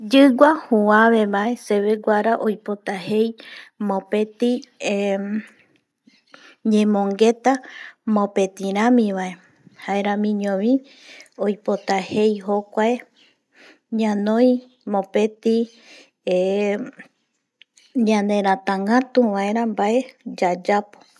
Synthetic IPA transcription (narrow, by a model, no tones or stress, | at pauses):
d͡ʒɨɡʷahuãβe̞βaeseβe̞ɡʷaɾaʔojpo̞t̪aɦe̞jmõpe̞t̪i | ɲẽmõŋɡe̞t̪amõpe̞t̪ĩɾãmĩβae̞ | haeɾãmĩɲõβĩ | ojpo̞t̪ahe̞jɦo̞kʷae | ɲãnõj̃ | mõpe̞t̪i | e | ɲãnẽ̞ɾ̃ãt̪ãŋãt̪uβae̞ɾãmbae̞d͡ʒad͡ʒapo̥